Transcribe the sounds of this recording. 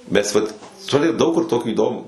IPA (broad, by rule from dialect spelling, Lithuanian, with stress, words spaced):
ˈmʲɛs ˈʋɐt ˈtʊrʲɪ ˈdɐʊk kʊr ˈtoːkʲiː iːˈdoːmuː